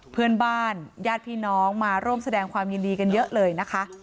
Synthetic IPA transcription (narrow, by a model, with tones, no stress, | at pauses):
pʰɯ˧ənbaː˥˩njaː˥˩t̪̚pʰiː˧˩nɔː˦˥ŋmaː˧˩ɾuː˥˩əmsa˧dɛː˧ŋkʰwaː˧mji˧ndiː˧ka˧njɤ˦˥ʔlɤː˧jna˦˥kʰa˦˥ʔ